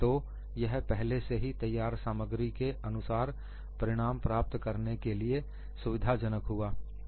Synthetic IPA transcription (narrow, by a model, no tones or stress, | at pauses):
t̪o | jɐɦpɛɦleseɦit̪ɐjːaːɾsaːməɡɾikeɐnʊsaːɾ | pɐɾɪɽ̃aːmpɾaːp̚t̪kɐɾnekelie | sʊʋɪd̪ʱad͡ʒənəkɦʊaː